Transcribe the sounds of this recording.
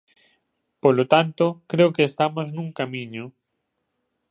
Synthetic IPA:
polot̪ant̪ʊkɾeʊkeːst̪amoznũŋkamĩɲʊ

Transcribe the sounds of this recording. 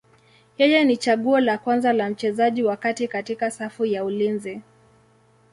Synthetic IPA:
jɛjɛnit͡ʃaɠuɔlakwanzalam̩t͡ʃɛzaʄiwakatikatikasafujaulinzi

